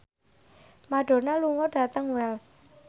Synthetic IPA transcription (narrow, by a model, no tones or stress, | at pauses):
maɖ̥o̤naluŋɔɖ̥ä̤t̪əŋwɛls